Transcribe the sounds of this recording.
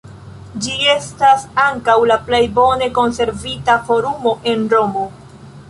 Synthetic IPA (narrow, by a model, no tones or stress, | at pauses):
d͡ʒie̞stasaŋkawlaple̞jbo̞ne̞ko̞nse̞ɾvitafo̞ɾumo̞ʔe̞nɾo̞mo̞